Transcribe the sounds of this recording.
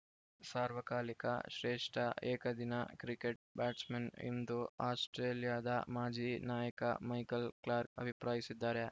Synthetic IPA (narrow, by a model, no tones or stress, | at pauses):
saːɾʋɐkaːlikɐ̰ʃɾeːʂʈʰɐeːkɐd̪inɐkɾikeʈ̚baːʈsmenḭnd̪uaːsʈɾeːlijaːd̪ɐmaːd͡ʒiːnaːjɐkɐ̰mɐjkɐlklaːɾk̚ɐbʱipɾaːjisid̪ːaːɾe